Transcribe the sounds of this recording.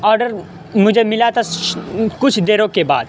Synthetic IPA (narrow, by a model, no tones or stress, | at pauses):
ɔːɾɖəɾ | mʊd͡ʒʱemɪlat̪ʰa | kʊt͡ʃʰd̪eːɾõkeba̰ːd̪